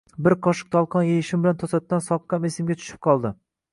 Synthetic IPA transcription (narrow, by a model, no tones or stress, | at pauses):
bɪɾqʰɒʃɨ̥q̚d̪ɒlˠqʰɒnjejɪʃɪmbɪlant̪ʰosat̪ːansɒq̪̚qɑmesɪmɡʲat̪ʰʊ̥ʃɪ̥p̚qʰɒlˠd̪ɪ